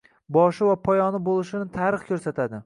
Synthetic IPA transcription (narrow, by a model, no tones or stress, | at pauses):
bɒʃɪvapʰɒjɒnɪbolˠɪʃɪnɪt̪ʰaɾɨχkʲʰɵɾsat̪ʰad̪ɪ